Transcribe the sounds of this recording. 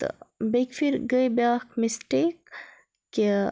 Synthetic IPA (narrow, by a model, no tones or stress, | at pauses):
bekfiɾɡəjbaːkmisʈek̚ː | e